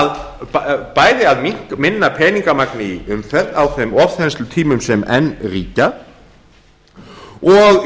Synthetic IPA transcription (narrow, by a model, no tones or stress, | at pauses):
ð | paːjðɪaðmiŋ̥kmɪnːapʰɛːniŋkamaknɪiʏmfɛt̪ːawθemɔvθɛst̪lʏt̪ʰiːmʏmsɛmɛ̰nːriːca | ɔɣ